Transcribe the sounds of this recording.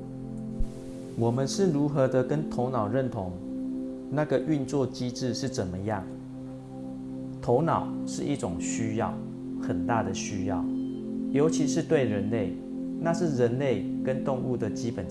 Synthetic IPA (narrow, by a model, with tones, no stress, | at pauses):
wɔ˨˩mə˦nʂɻ̩˥˨ɻu˨˧˥xɤ˧˦d̪ə˧˨kə˦nt̪ʰo˧˥ʊnɑ˨˩ʊɻə˥˩nt̪ʰʊ˧˦ŋ | na˥˩ɡə˨ʔy˥˧nt͡swɔ˥˨t͡ɕi˥ʈ͡ʂɻ̩˥˧ʂɻ̩˥˩t͡sə˨˩nmə˦jɑ˥˩ŋ | t̪ʰo˧˥ʊnɑ˨˩˦ʊʂɻ̩˥˧ʔi˥˩ʈ͡ʂʊ˨˩ŋɕy˥jɑ̰˥˩ʊ | xə˨˩nt̪a˥˩d̪ə˩ɕy˥jɑ̰˥˩ʊjo˧˥ʊt͡ɕʰi˧˦ʂɻ̩˥˧t̪we˥˩ɪɻə˧˦nle˥˩ɪ | na˥˧ʂɻ̩˥˩ɻə˨˦nle˥˩ɪkə˦˥nt̪ʊ˥˧ŋu˥˩d̪ə˩t͡ɕi˦˥pə˨˩n